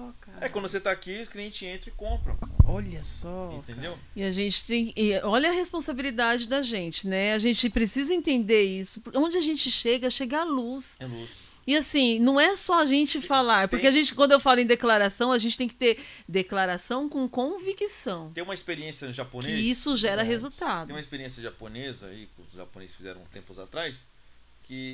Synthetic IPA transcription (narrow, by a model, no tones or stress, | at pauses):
ɔkaɾɛkwɐ̃d̪voset̪akiʊskliẽnt͡ʃɪẽt̪ɾ̃ɪkõpɾɐ̰̃w̃ɔʎɐsɔĩẽd̪ew | ɪaʒẽnt͡ʃɪ̥t̪ẽj̃kɪɪɔʎɐɐhespõsabilid̪ad͡ʒɪd̪ɐʒẽnt͡ʃɪnɛaʒẽnt͡ʃɪpɾesizɐẽnt̪ẽnd̪eɾisʊõnd͡ʒɪaʒẽnt͡ʃɪʃeɡɐʃeɡalusɛlus | ɪasĩnɐ̃w̃ɛsɔaʒẽnt͡ʃɪfalaɾpʊɾkeaʒẽnt͡ʃɪkwɐ̃nd̪ʊewfalʊẽd̪eklaɾasɐ̃w̃ɐʒẽnt͡ʃɪt̪ẽj̃kɪt̪eɾ | d̪eklaɾasɐ̃w̃kõkõvikisɐ̃w̪̃ẽũmɐispeɾiẽsjɐʒaponɪisʊʒɛɾɐɦezut̪ad̪ʊẽũmɐispeɾiẽsjɐʒaponezɐ̰ikʊʒa̰ponḛzɪsfizɛ̰ɾɐ̃t̪ẽmpʊza̰t̪ɾajs | kɪ